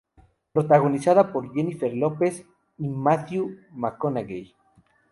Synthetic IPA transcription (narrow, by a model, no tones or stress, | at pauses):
pɾot̪aɣo̞nisaðapo̞ɾʝenifeɾlopes | imaθjumakonaɣḛj